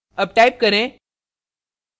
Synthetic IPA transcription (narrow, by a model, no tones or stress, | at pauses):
əb̚ʈajp̚kəɾẽ